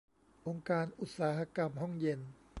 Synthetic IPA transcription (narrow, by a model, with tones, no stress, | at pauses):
ʔo˧ŋkaː˧nʔu˨˩t̪̚saː˩˦ha˧ka˧mɦɔ˥˩ŋje˧n